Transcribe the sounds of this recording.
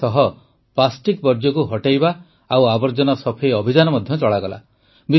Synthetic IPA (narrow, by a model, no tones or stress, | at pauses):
t̪ɔɦɔ | plasʈikbɔɾd͡ʒjɔkuɦɔʈajbaː | wabɔɾd͡ʒɔnɔsɔpʰejɔbʱid͡ʒanɔmɔd̪ʱjɔt͡ʃɔɭaɡɔla̰ | bi